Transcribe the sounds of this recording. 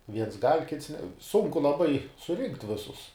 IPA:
ˈʋʲiɛns ɡɐlʲ ˈkʲɪts nʲɛ ˈsʊŋkʊ lˠɐˈbɐɪ sʊˈrʲɪŋktʲ ˈʋʲɪsʊs

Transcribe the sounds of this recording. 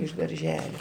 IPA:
ɪʃ dɐrʲˈʒʲæːlʲoː

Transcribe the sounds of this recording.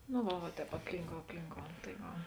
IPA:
noː ˈʋɐ ʋɐ ˈtʲɛːp ɐpʲˈlʲiːŋkoːʊ ɐpʲˈlʲiːŋkoːʊ tɐɪ ˈʋɐ

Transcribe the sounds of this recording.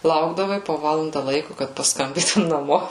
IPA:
ˈlˠɐʊɡdɐʋɐɪ poː ˈʋɑːlˠɐndɐ ˈlˠɐɪkʊ kɐt pɐsˈkɐmʲbʲiːtʊm nɐˈmoː

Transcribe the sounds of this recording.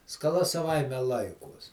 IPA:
skɐˈlˠɐ sɐˈʋɐɪmʲɛ ˈlˠɐɪkuɔs

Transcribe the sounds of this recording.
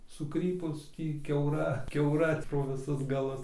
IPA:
sʊˈkrʲiːpʊs ˈtʲiː kʲɛʊˈrɐ kʲɛʊˈrɐ proː ʋʲɪˈsʊs ɡɐˈlˠʊs

